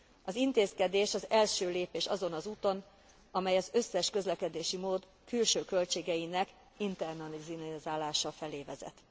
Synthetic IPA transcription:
ɒzint̪eːskɛd̪eːʃɒzɛlʃøːleːpeːʃɒzo̞nɒzuːt̪o̞n | ɒmɛjɒzø̞sːɛʃkø̞zlɛkɛd̪eːʃimoːd̪ | kylʃøːkø̞lt͡ʃeːɡɛjinɛk | int̪ɛrnɒlizzaːlaːʃɒfɛleːvɛzɛ̰t̪

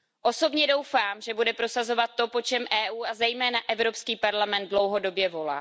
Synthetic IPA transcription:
ʔo̞so̞bɲɛdo̞wfaːmʒɛbudɛpɾo̞sazo̞vat̪ːo̞po̞t͡ʃɛmʔɛːʔuːʔazɛjmɛːnaʔɛvɾo̞pskiːpaɾlamɛnt̪̚dlo̞wɦo̞do̞bjɛvo̞la̰ː

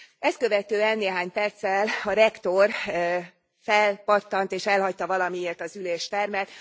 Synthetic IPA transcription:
ɛst̪kø̞vɛt̪øːɛnːeːɦaːɲpɛrt̪sɛlɒɾɛkt̪o̞r | fɛlpɒt̪ːɒnt̪eːʃɛlɦɒct̪ɒvɒlɒmieːrt̪ɒzyleːʃt̪ɛrmɛt̪

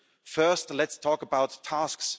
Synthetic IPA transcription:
fɜˑstlɛtstʰɔːˑkəbaʊtʰːasks

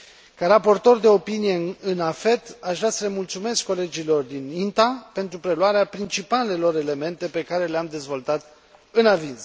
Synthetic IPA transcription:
kaɾapo̞rt̪o̞rd̪e̞o̞pinije̞ɨnafe̞t̪aʃvɾʲasəle̞mult̪sume̞skːo̞le̞d͡ʒilo̞rd̪inint̪ape̞nt̪ɾupɾe̞luaɾeapɾint͡ʃipale̞lo̞ɾe̞le̞me̞nt̪e̞pe̞kaɾe̞leamd̪e̞zvo̞lt̪at̪ | ɨnavinz

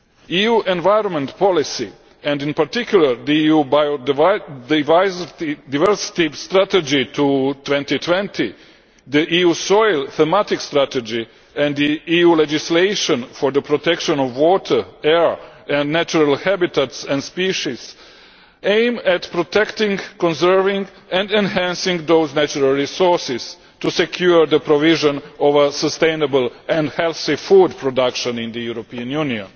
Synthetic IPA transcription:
ijuːʔɛ̃nʋajɾõnmɛ̃nt̪pʰɔlisi | ɛ̃nd̪ĩnpaɾt̪ikʰjuləɾd̪iijubajodvajzid̪avɛɹsi̥t̪ist̪ɾat̪ɛd͡ʒit̪ʰut̪wɛ̃nt̪it̪ʰwɛ̃nt̪ʰi | d̪əʔijuːsojlˠθɛmat̪ikst̪ɾat̪ɛd͡ʒi | ɛ̃nd̪d̪iijuːled͡ʒisleɪʃɔ̃nfɔɾd̪əpɾot̪ɛkʃõnɔʋwɔːt̪ʰə˞ɛɹɛ̃ndnæt͡ʃuɾalhæbit̪at̪sɛ̃ndspiʃiz̥ | ẽjmɛt̪pɾot̪ɛkt̪ɪ̃ŋɡkɔ̃nsɛɹvĩŋɡ | ɛ̃ndẽnhæ̃nsĩŋɡd̪oʊznæt͡ʃuɾalˠɹisɔɹsɪs | t̪usɛkʰjuɹd̪əpɾoviʒɔ̃nɔʋəsəst̪ẽjnəbəlˠɛ̃ndhɛlθifudpɾodakʃə̃nĩnd̪əjuɾopiãnjuniõ̰n

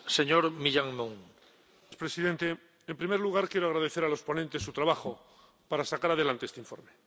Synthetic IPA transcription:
seɲoɾmiʎaŋmõŋ | spɾe̞siðe̞nt̪e̞ | empɾimeɾluɣaɾkje̞ɾoaɣɾað̞e̞θeɾalo̞spo̞nẽnt̪e̞sːut̪ɾaβaxo̞ | paɾasakaɾað̞e̞lant̪eest̪eiɱfo̞̰ɾme

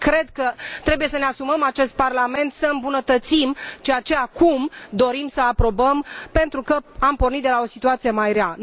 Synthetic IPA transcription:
kɾe̞d̪kət̪ɾe̞buje̞səneasuməmat͡ʃe̞st̪̚parlame̞nt̪səɨmbunət̪ət̪simt͡ʃejat͡ʃe̞akumd̪o̞ɾimsəapɾo̞bəmpe̞nt̪ɾukəampo̞rnit̪̚d̪elao̞sit̪uat̪sijemajɾea

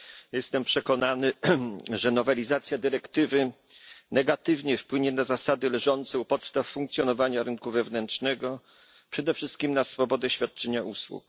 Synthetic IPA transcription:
jɛst̪ɛmpʂɛkɔnanɘʐɛnɔvɛlʲizat̪sʲjad̪ɘɾɛkt̪ɘvɘ | nɛɡat̪ɘvɲɛfpwɘɲɛnazasad̪ɘlʐɔnt̪sɛupɔt̪st̪afːuŋk̚t̪sʲjɔnɔvaɲaɾɘnkuvɛvnɛnt͡ʂnɛɡɔ | pʂɛd̪ɛfʂɘst̪̚kʲimnasfɔbɔd̪ɛɕfʲjat̪̚t͡ʂɛɲaʔuswṵk

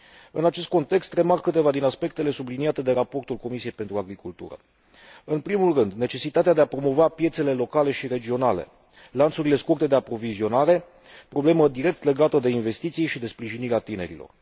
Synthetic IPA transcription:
ɨnat͡ʃe̞st̪̚ko̞nt̪e̞kst̪re̞markːɨt̪e̞vad̪inaspe̞kt̪e̞le̞subliniat̪e̞d̪e̞ɾapo̞rt̪ulko̞misie̞jpe̞nt̪ɾuaɡɾikult̪ṵɾə̰ | ɨnpɾimulrɨnd̪ne̞t͡ʃe̞sit̪at̪ead̪e̞apɾo̞mo̞vapje̞t̪se̞le̞lo̞kale̞ʃiɾe̞d͡ʒio̞nale̞̰ | lant̪suɾile̞skurt̪e̞d̪e̞apɾo̞vizio̞naɾe̞ | pɾo̞ble̞məd̪iɾe̞k̚t̪le̞ɡat̪əd̪e̞inve̞st̪it̪sijʃid̪e̞spɾiʒiniɾeat̪ine̞ɾḭlo̞̰r

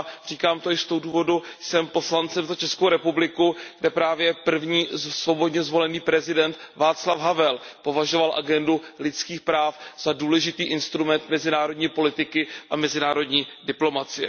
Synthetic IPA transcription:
r̝iːkaːmt̪oɪst̪owduːvo̞dujsɛmpo̞slant͡sɛmzat͡ʃɛskowɾɛpublɪkuɡdɛpɾaːvjɛpr̩vɲiːsvo̞bo̞dɲɛzvo̞lɛniːpɾɛzɪdɛnt̪vaːt͡slafɦavɛl | po̞vaʒo̞valʔa̰ɡɛndulɪt͡skiːxpɾaːfz̥aduːlɛʒɪt̪iːʔɪnst̪ɾumɛnt̪mɛzɪnaːɾo̞dɲiːpo̞lɪt̪ɪkɪʔamɛzɪnaːɾo̞dɲiːdɪplo̞mat͡sɪjɛ̰

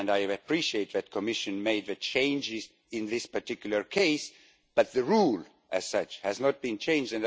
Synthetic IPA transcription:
naɪɨpʰɹ̥iʃieɪt̪̚ðɨt̚kʰɔmɪʃɨ̃nmeɪd̪̚ðɨt͡ʃʰẽɪ̃nd͡ʒɪz | ɪ̃nðɪspəɹtɪkjl̩ˠə˞kʰeɪs | b̥ʌt̪̚ðɨɹul | ʔæz̥sʌt͡ʃhɨznət̪̚b̥ĩnt͡ʃʰẽɪ̃nd͡ʒdɨ̃n

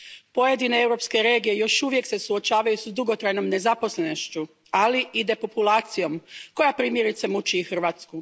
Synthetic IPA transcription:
po̞jed̪ineewɾo̞pske̞ɾe̞ːɡijejo̞ʃuʋje̞kse̞suot͡ʃaːʋajusd̪uɡo̞t̪ɾajno̞mne̞zapo̞sle̞noʃt͡ɕu | aliʔid̪e̞po̞pulaːt̪sijo̞mko̞japɾiːmje̞ɾit̪semut͡ʃixr̩ʋaːt̪sku

